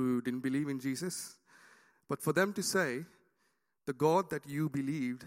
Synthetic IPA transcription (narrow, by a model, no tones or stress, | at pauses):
udɪdən̩̚bɪliːvɪ̃nd͡ʒiːsəs | b̥ʌtfɔd̪ɛ̃mʈuseː | d̪̥əɡɔd̪̚d̪ɛtjubɪliːvd